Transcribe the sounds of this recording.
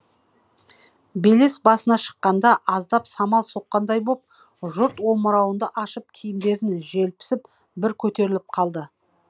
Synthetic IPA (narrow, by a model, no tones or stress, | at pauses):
bele̞sbɑsənɑʃə̥qːɑnd̪ɑʔɑzd̪ɑpsɑmɑlˠso̞qːɑnd̪ɑjbo̞p̚ | ʒʊɾt̪wo̞məɾɑwənd̪əʔɑʃəp̚kʲʰijɪmd̪e̞ɾɪnʒelpɪ̥sɪp | bɪɾkʲʰɵt̪e̞ɾɪlɪp̚qʰɑlˠd̪ə